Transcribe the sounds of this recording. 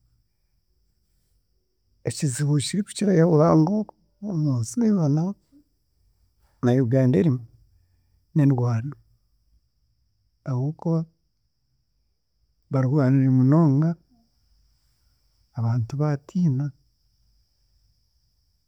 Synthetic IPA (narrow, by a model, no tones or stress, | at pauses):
eciziβut͡ʃiɾiku̥ciɾajaβuβaːŋɡo | omuːnsineβana | najoɡaːndeɾimu | nenwwaːna | aβukoβa | βaɾiɣuβaneɾimunoːŋɡa | βaːntuβatʰiːna